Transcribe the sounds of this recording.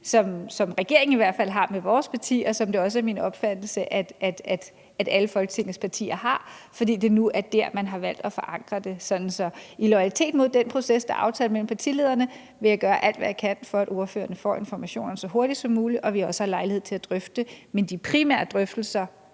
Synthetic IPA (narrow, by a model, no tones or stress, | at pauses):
sɒ̽msɒ̽mʁɛɡ̥e̝ɐ̰eŋ̩iʋæɐ̰d̥fæl̰ɦɑ̈meʋɒːspʰɑ̈t͡sʰḭːɒ̽sɒ̽md̥e̝ɒ̽s̬əæɐminɒ̽b̥fæd̥l̩səʔæd̥ʔæ̥æd̥ | æd̥æləfɒ̽lɡ̥ə̥t͡sʰe̝ŋ̰ð̩spʰɑ̈t͡sʰḭːɐɦɑ̈fɒd̥ḭːd̥e̝nuʔæɐd̥æɐ̰mænɦɑ̈ʋæl̰d̥ɒfɒ̽ʔɑ̈ŋ̰ɡ̥ʁɐd̥e̝sɒ̽d̥n̩sɒ̽ilɒ̽ɪælit͡sʰe̝̰ːd̥mo̝ð̞̰ˠd̥enpʰʁo̝sesd̥ɑ̈ʔɑ̈ʊt͡sʰɛ̰ːlmel̰m̩pʰɑ̈t͡sʰḭle̝ðˠɐnə | ʋe̝jɪɡ̥ɶːɐʔæl̰d̥ʋæjäɪkʰæn̰fɒ̽æɾo̝ɐfø̰ːɐnəfɒ̰ːe̝nfɒmæɕo̝̰ːnɐsɒ̽ɦo̝ɐɾ̥i̥sɒ̽mːuːliʔɒ̽ʋiɒ̽sə̥hɑ̈lɑ̈ɪlihe̝ð̰ˠt͡sʰe̝læd̥ʁœfd̥əmend̥ipʰʁimæ̰ɐd̥ʁœfd̥l̩sɐ